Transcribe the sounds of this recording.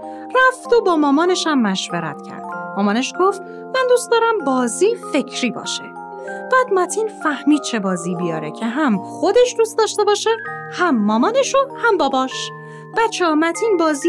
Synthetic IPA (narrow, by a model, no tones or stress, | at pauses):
ræft̪o̞bɒːmɒːmɒːne̞ʃæmːæʃveɾæ̰t̪ʰcʰæ̰ɾd̪̥mɒːmɒːneʃɡo̞ft̪ | mænd̪uːst̪d̪ɒːɾæmbɒːziːfe̞cʰɾiːbɒ̰ːʃḛ | b̥æːd̪mæt̪ʰiːnfæhmiːd̪̚t͡ʃʰe̞bɒːziːbijɒːɾecʰe̞ɦæmxod̪e̞ʃd̪uːst̪ɒːʃt̪e̞bɒːʃehæmːɒːmɒːneʃohæmbɒːbɒːʃ | b̥æt͡ʃʰɒmæt̪ʰiːnbɒːzi